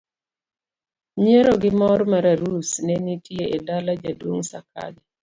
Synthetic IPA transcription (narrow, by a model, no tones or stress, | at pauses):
ɲeɾoɡɪmɔɾmaɾaɾusnɛnitʰjeedalad͡ʒadwoŋsakʰa̰d͡ʒa